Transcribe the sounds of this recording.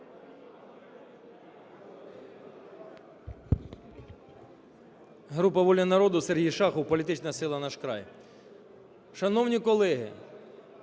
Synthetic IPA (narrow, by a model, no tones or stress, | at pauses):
ɦɾupɐʋɔlʲɐnɐɾɔd̪ʊserɦijʃɑxɔwpɔlʲit̪ɪt͡ʃnɐsɪlˠɐnɑʃkɾɑ̰j | ʃɐnɔwnʲikɔlˠɛɦɪ̰